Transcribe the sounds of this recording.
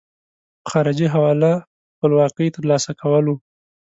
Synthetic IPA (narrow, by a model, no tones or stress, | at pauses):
pəxɑɾɪd͡ʒiɦawɑla | xpəlwɑqəjt̪əɾlɑsakʰawəlu